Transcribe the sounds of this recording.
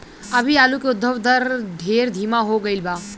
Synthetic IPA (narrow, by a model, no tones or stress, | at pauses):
ɐbʱiaːlukeʊd̪ʱːəʋd̪əɾd̪ʱeːɾd̪ʱiːmaɦoɡəilbaː